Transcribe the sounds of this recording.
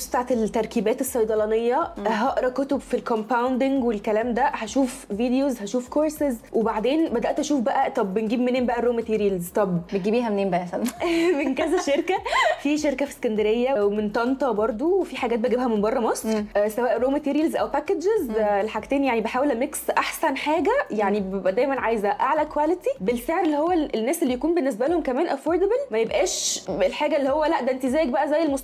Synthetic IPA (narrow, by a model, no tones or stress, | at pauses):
st̪aʕt̪elt̪ːæɾˤkiːbæːt̪esːɑjd̪ˤɑlɑnejːɑɦɑʔɾˤɑkot̪obfilkompawnd̪ɪŋɡwelkælæːmd̪æhæʃuːfviːd̪ejozhæʃuːfkoɾˤsezwʔebaʕd̪eːnbæd̪æʔt̪ʔæʃuːfbæʔæt̪ˤɑbːenɡiːbmeneːmbæʔæɾoːmæt̪iːɾijælzt̪ˤɑbbenɡiːbiːhæmneːmbæʔæmæsælænmenkæzæʃeɾkæfiːʃeɾkæfi̥skænd̪æɾejːæwement̪ɑnt̪ˤɑbɑɾˤd̪ˤowefiħaɡæːt̪beɡebhæmenbɑrˤːɑmɑsˤɾʔsæwæːʔɾoːmæt̪iːɾijlzʔæ̰wpækedd͡ʒezlːeħaɡt̪æːnjaʕnibeħaːwelmeksʔaħsænħaːɡæjaʕnibebʔæd̪æjmænʕaːjezæʔaʕlækwælet̪ibelfeʕɾelːihowːælenːæːselːijækuːnbenːes̬bælæhomkæmæːnʔæfoːɾd̪æbælmæjebʔæːʃelħaːɡælːihowːælæʔd̪æʔnt̪ezæːjek̚bæʔæzæjːelmosˤ